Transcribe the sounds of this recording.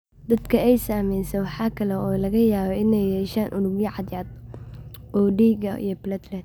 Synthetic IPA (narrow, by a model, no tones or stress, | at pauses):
d̪ɐd̪kʰɐɛjsaːmɛjsɛwɑħɑːkʰɐlɛɔːlɐɣɐjaːβɛɪnɛjhɛːʃaːnʔʊɽʊmjɐʕɑd̪jaːd̪̚ | ʔɔːɖiːɡɐḭjɞpɪlɐt̪lɛt̪